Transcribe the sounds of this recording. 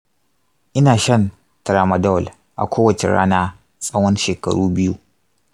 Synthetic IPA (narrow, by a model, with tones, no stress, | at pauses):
ʔɪ˦naː˨ʃɐ˦n | tɐ˨ɾa˨mɐ˨dɔ˦˨l | ʔa̰˨kʷoː˦wɐ˨t͡ʃḛ˨ɽa̰ː˦naː˦ | sʼɐ˦whɐ˦nʃeː˨kɐ̰˨ɽuː˦bɪ˦ju˦